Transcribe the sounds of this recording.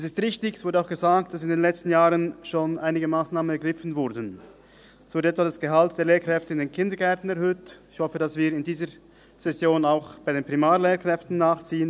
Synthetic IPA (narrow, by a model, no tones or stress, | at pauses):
ɛs̬ɪstʁɪçtɪçɛsvʊɐdəaʊxɡ̥əzaːk̚t̚d̥asɪndeːnlɛt͡stn̩jaːʁənʃoːnʔaɪnɪɡəmaːsnaːmənɛɐɡʁɪfn̩vʊɾdən̩ | svʊdəɛtvadasɡ̥əɦalt̚d̥eːɐleːɐkʁ̥ɛftəɪndeːnkʰɪndəɡɛɐtn̩ɛɐʁhøːtɪçhɔfədasviːɾɪndiːzə | z̥ɛsjoːnaʊxb̥aɪdeːnpʁimaːleːkʁ̥ɛftn̩ːaːχt͡siːən